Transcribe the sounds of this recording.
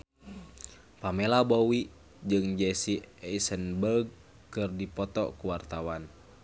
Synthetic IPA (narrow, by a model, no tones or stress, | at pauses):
pamɛlabɔwi | d͡ʒɨŋd͡ʒɛsiɛisənbəɡ̚ | kɨrdipɔt̪ɔ̰kuwart̪awan